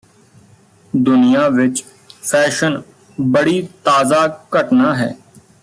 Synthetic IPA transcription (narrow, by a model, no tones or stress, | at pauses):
d̪ʊnɪjaːʋɪt͡ʃ | pʰɛːʃən | bəɽiːt̪aːzaːkəʈnaːɦɛ̰ː